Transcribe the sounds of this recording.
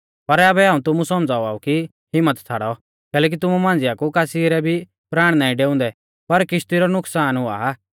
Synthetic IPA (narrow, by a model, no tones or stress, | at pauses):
pɐɾɐbɛɦãːũt̪ʊmũsɔmd͡zaːuaːuki | ɦɪmːət̪t͡sʰaɽɔ | kɛːlɛːk̬it̪ʊmumãːnd͡zɪjakukaːsiɾɛbʱi | pɾaːɽ̃naːĩɖeːũnd̪ɛ | pɐɾkɪʃt̪iɾɔnʊksaːnɦʊa̰